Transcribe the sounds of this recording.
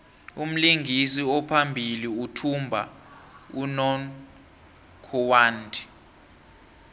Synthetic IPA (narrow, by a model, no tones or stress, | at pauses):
um̩liŋɡʱisiɔpʰambʱiliutʰumbʱa̰ | unɔn | kʰɔwaːndʱi̥